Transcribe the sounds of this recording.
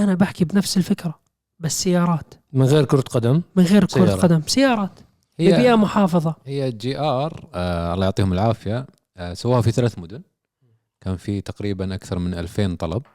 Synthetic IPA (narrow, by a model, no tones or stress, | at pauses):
ʔanabaħkibnafsɪlfɪkɾa | basːajːɑːɾˤɑːt̪mɪnɣeːɾkʊɾˤt̪qad̪ammɪnɣeːɾkʊɾˤqad̪amsajːɑːɾˤɑːt̪ | hɪːɪːbɪjʔamʊħɑːfɑðˤɑhɪjːad͡ʒiːʔɑːɾˤʔɑlːɑːjʊʕt̪ˤiːhʊmɪlʕaːfja | sawːaːhafiθalaːθmʊd̪ʊn | kaːnfit̪aqɾiːbanʔakθɑɾˤmɪnʔa̰lfeːnt̪ˤɑlɑb̚